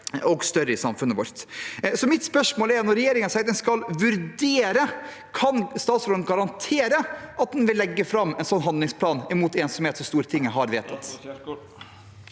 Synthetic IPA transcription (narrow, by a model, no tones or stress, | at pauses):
ɔɡst̪œɾəɪsɑmfʉnːəʋɔɾt̪sɔmɪt̪spœʂmoːlɛɾnɔɾːɛjeːɾɪŋənsɛɪt̪d̪ɛnskɑlʋʉɾd̪eːɾə | kʰɑnst̪ɑːt̪soːd̪ənɡɑɾɑnt̪ʰeːɾəʔɑt̪̚d̪ɛnʋɪlːɛɡːəfɾɑmːɛnsɔnːɦɑnd̪lɪŋspʰlɑːnɪmuːt̪eːnsɔmheːt̪sɔst̪uːɾət̪ʰɪŋːəɦɑɾʋeːt̪ʰɑt̪